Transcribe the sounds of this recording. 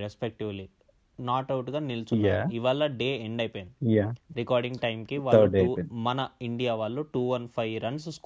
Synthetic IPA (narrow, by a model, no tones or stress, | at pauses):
ɾespek̚ʈiʋli | naːʈɐwʈɡaːnilt͡ʃujaiʋaːlːɐɖeːeɳɖɐjpejnjaɾikaːɾɖiŋɡʈɐjmkiʋaːemɐnɐiɳɖijaːʋaːɭːuʈuːʋɐnpʰɐjɾɐnssk